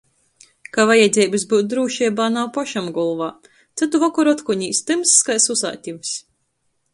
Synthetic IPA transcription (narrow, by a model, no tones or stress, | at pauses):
kavajad̪zʲɛːbɨs̬buːt̪̚d̪ɾuːʃiːbaːnawpaʃamɡɔlˠvaː | t̪sɨt̪uvɔkɔɾɔt̪kuɲiːst̪ɨmsːkajsusa̰ːt̪ʲims